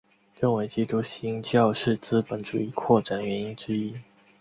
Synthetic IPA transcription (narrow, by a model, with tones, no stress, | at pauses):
ɻə˥˩nwe˧˥ɪt͡ɕi˥t̪u˧˥ɕi˧˥i˥ŋt͡ɕjɑ˥˧ʊʂɻ̩˥˩t͡sɹ̩˥pə˨˥˦nʈ͡ʂṵ˨˩i˥˩kʰwɔ˥˩ʈ͡ʂa˨˩nɥɛ˧˦ni˥nʈ͡ʂɻ̩˥i˥